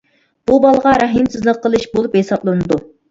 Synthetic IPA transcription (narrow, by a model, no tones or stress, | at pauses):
b̥ubɑlˠəʁɑɾɑɦɨmsɨzlˠəqʰːəlˠɨʃbolˠuphesɑplˠɨnɨd̪u